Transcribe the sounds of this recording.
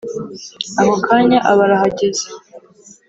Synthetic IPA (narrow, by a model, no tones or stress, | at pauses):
aɦokʰaːɲaʔaβaɾahaɟeze̥